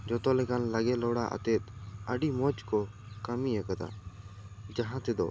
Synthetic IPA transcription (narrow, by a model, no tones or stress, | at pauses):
d͡ʒɔt̪ɔlɛkanləɡɛlɔɽaʔə̰t̪ɛt̪əɖimɔt͡ʃkɔ | kəmiakad̪a̰ | d͡ʒaɦãt̪ɛd̪ɔ